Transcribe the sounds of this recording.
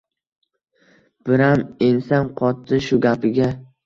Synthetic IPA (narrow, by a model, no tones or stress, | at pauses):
b̥ɪɾamensanqʰɒt̪ːɪʃʊɡʲapʰɪɡʲa